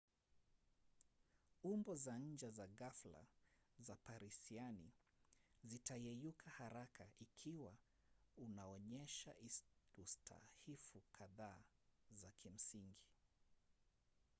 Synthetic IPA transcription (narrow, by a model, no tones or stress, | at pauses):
umbɔzaɲ̩d͡ʒɛzaɣafla̰zapaɾisiani | zitajɛjukʰahaɾakʰaʔikʰiwa | unaɔɲɛʃa̰ʔiustʰa̰hifukʰaðaːzakʰim̩siŋɡi